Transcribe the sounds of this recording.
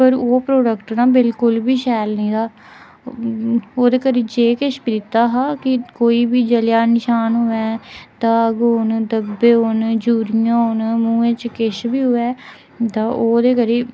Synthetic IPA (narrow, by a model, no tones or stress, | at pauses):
pəɾoːpɾoːɖəkʈnãːbɪlkʊlbiːʃɛːlnĩːd̪aː | oːd̪eːkəɾiːd͡ʒeːkɪʃbiːd̪ɪt̪ːaːɦaːkɪkoːiːbiːd͡ʒəljaːnɪʃaːnɦʊɛːt̪ãːəɡoːnd̪əbeːoːnd͡ʒuːɾɪjãːnmũːẽːt͡ʃkɪʃbiːɦʊːɛː | t̪ãːʔoːd̪eːkəɾiː